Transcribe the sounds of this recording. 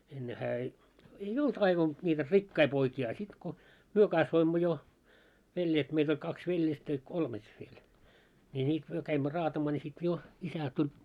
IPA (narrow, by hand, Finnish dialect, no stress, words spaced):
enːe hæː ei ei olt ɑiʋɑn nʲiːtæ rikːɑi poikiː ɑ sit ko myø kɑsʋoimːo jo ʋeljet meit olʲ kɑks ʋeljestæ jɑ kolmet ʋiel ni niː myø kæimːø rɑːtɑmɑː nʲi sit jo isæ tulʲ